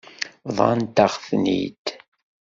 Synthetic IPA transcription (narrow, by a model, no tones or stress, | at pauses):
ðˤɑ̰nt̪əχθnḭt̪